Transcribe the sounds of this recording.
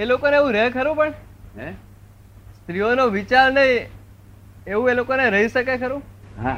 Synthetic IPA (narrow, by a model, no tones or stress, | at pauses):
elokoneeʋũɾəɦkʰəɾũpəɳ | ɦɛ | st̪ɾionoʋit͡ʃaɾnəɦĩ | eʋũelokoneɾəɦiʃəkekʰəɾũɦã